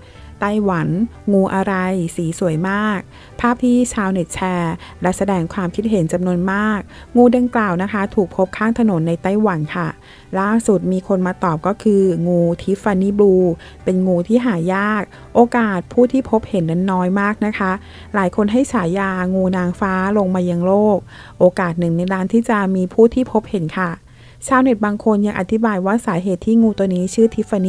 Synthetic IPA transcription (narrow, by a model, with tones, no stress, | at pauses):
t̪a˥˩jwa˩˦n | ŋuː˧ʔa˧ɾa˧jsiː˩˦su˨˩˦əjmaː˥˩k̚ | pʰaː˥˩p̚t̪ʰiː˥˩t͡ɕʰaː˧wne˨˩t̪̚t͡ɕʰɛː˧ | lɛ˦˥sa˧dɛː˧ŋkʰwaː˧mkʰi˦˥t̪̚ɦe˨˩˦nt͡ɕa˧mnu˧ənmaː˥˩k̚ | ŋuː˧da˧ŋklaː˨˩wna˦˥kʰa˦˥t̪ʰuː˨˩k̚pʰo˦˥p̚kʰaː˥˩ŋt̪ʰa˧no˨˩˦nːa˧jt̪a˥˩jwa˩˦nkʰa˥˩ | laː˥˩su˨˩t̪̚miː˧kʰo˧nmaː˧t̪ɔː˨˩p̚kɔː˥˩kʰɯː˧ŋuː˧t̪ʰi˦˥fa˧ni˦˥bluː˧ | pe˧nŋuː˧t̪ʰiː˥˩ɦaː˩˦jaː˥˩k̚ | ʔoː˧kaː˨˩t̪̚pʰuː˥˩t̪ʰiː˥˩pʰo˦˥p̚he˩˦nːa˥˩nːɔː˦˥jmaː˥˩k̚na˦˥kʰa˦˥ʔ | laː˩˦jkʰo˧nɦa˥˩jt͡ɕʰaː˩˦jːaː˧ŋuː˧naː˧ŋfaː˦˥lo˧ŋmaː˧ja˧ŋloː˥˩k̚ | ʔoː˧kaː˨˩t̪̚nɯ˨˩ŋna˧jɾaː˦˥nt̪ʰiː˥˩t͡ɕa˨˩miː˧pʰuː˥˩t̪ʰiː˥˩pʰo˦˥p̚he˩˦nkʰa˥˩ | t͡ɕʰaː˦˥˩wne˨˩t̪̚baː˧ŋkʰo˧nja˧ŋʔa˨t̪ʰi˦˥baː˧jwaː˥˩saː˩˦ɦeː˨˩t̪ʰːiː˥˩ŋuː˧t̪u˧niː˦˥t͡ɕʰɯː˥˩t̪ʰi˦˥fa˧ni˦